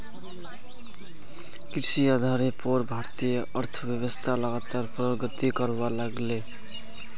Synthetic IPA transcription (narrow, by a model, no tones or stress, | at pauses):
kirsiʌd̪ʱaɾepoɾbʱart̪ijʌʌrt̪ʰʌbjʌβʌst̪ʰalʌɡat̪arprʌɡʌt̪ikʌrbalaɡle